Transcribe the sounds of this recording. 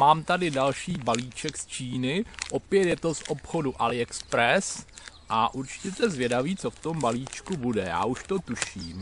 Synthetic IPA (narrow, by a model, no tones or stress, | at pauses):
maːmt̪adɪdalʃiːbaliːt͡ʃɛkst͡ʃiːnɪʔopjɛt̪jɛt̪o̞sʔo̞pxo̞duʔalɪɛkspɾɛsʔaʔuɾt͡ʃɪ̥cɛt̪ɛzvjɛdaviːt͡so̞ft̪o̞mbaliːt͡ʃkubudɛja̰ːʔuʃt̪o̞t̪uʃiːm